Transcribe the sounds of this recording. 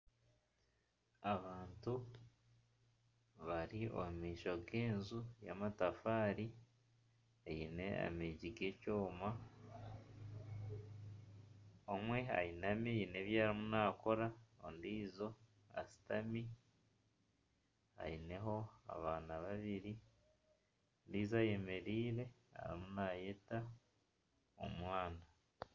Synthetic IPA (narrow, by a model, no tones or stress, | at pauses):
aβaːntu | βaɾio̰mumiːʃo̞ɡe̞ːnzuja̰matafaːɾi | ejine̞a̰meɟiɡe̞coːma | omwe̞a̰jinamiine̞βjaːɾimunaːko̞ɾaondiːzo̞ | a̰si̥tami | a̰jine̞ɦo̞a̰βaːnaβaβiɾi | ondiːzaje̞me̞ɾiːɾe̞ | a̰ɾimunaːjeta | o̰mwaːna